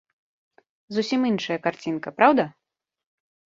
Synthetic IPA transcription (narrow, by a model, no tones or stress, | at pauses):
zusʲiminʂɐjɐkart͡sʲinkɐpɾawd̪ɐ